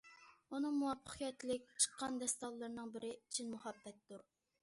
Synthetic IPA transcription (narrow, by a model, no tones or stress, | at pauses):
unɨŋmuwɑpʰːə̥qijɛt̪ʰlɪk̚ʲt͡ʃʰə̥qʰːɑnd̪ɛst̪ɑlˠːɨɾnɨŋbɪɾɪit͡ʃʰinmuχɑbːɛt̪ːuɾ